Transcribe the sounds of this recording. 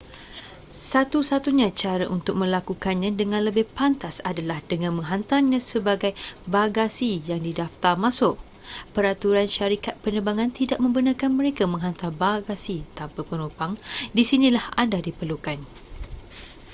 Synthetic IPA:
sat̪usat̪uɲãt͡ʃaɾaʔunt̪ʊk̚mə̃lakukanɲãdəŋãnləbɪhpant̪asadalahdəŋãnmə̃ŋɦant̪anɲãsəbaɡajbaɡasijaŋdidaft̪armãsʊʔ | pəɾat̪uɾanʃaɾikat̪̚pənəbaŋãnt̪idaʔ̚mə̃mbənakanmə̃ɾekamə̃ŋɦant̪arbaɡasit̪ampapunupaŋdisinĩlahandadipərlukan

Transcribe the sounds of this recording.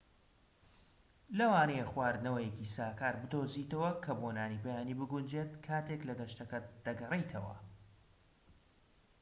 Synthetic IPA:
lɐwaːnejeχwaːɾnɐwɐjecisaːkaːɾbɨd̪oːzit̪ɐwɐkʰɐboːnaːniːpɐjaːniːbɨɡund͡ʒet̪kʰaːt̪eklɐd̪ɐʃt̪ɐkɐd̪̥ɐɡɐrejt̪ʰɐwɐ̰

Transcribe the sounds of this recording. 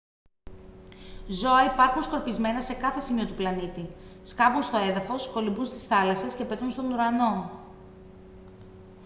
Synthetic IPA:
zo̞ɐipɐɾxunsko̞ɾpizme̞nɐse̞kɐθe̞simio̞t̪uplɐnit̪iskɐvunst̪oe̞ðɐfo̞sko̞limbunst̪i̥sθɐlɐse̞sce̞pet̪unst̪onuɾɐno̞

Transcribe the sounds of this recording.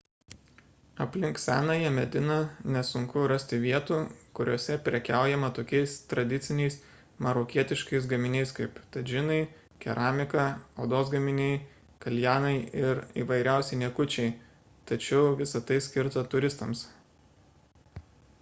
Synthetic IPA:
ɐpʲlʲɪŋksʲæːnɐjiɛmʲɛd̪ʲɪnɐnʲɛsʊŋkʊɾɐsʲt̪ʲɪʋʲiɛt̪uːkʊɾʲoːsʲɛpʲɾʲɛkʲæˑʊjɛmɐt̪oːkʲɛɪst̪ɾɐd̪ʲɪt̪sʲɪnʲɛɪs | mɐɾoːkʲiɛt̪ʲɪʃkɐɪs̬ɡɐmʲɪnʲɛɪskɐɪpt̪ɐd͡ʒʲɪnɐɪ | kʲɛ̰ɾʔɑːmʲɪkɐo̰ːd̪oːsɡɐmʲɪnʲɛɪ | kɐlʲjæːnɐɪɪɾḭːʋɐɪɾʲæˑʊsʲɛɪnʲɛkʊt͡ʃʲɛɪ | t̪ɐt͡ʃʲɛʊʋʲɪsɐt̪ɐɪsʲkʲɪɾt̪ɐt̪ʊɾʲɪst̪ɐms

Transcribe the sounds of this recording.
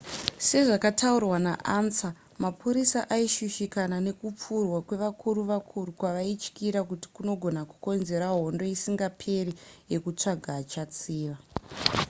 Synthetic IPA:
se̞ʐakataurwanaʔansa | mapʰuɾisaʔaiʃuʃikanane̞kup͡furwakwe̞ʋakʰuɾuʋakʰurukwaʋait͡ʃkiɾakuti̥kuno̞ɡʱo̞naku̥ko̞nze̞ɾaɦo̞ndo̞isiŋɡapʰe̞rije̞kut͡ʂaɡʱaːt͡ʃat͡siːʋa

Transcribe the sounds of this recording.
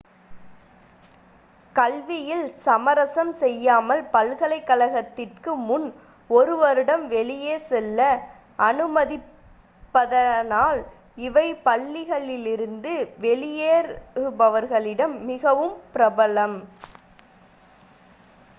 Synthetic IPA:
kɐlʋɪjɪlsɐmɐɾɐsɐmsɛjːaːmɐlpɐlɣɐɭɐɪkːɐlɐɣɐt̪ːɪrkɯmʊn | ɔɾɯʋɐɾɪɽɐmʋɛɭɪjeːsɛlːɐ | ʔɐnɯmɐðɪ | pːɐðɐnaːl | ɪʋɐɪpɐɭːɪɣɐɭɪlɪɾɯnd̪ɯʋɛɭɪjeːɾɾɯbɐʋɐɾɣɐɭɪɽɐmːɪɣɐʋɯmpɪɾɐbɐlɐm

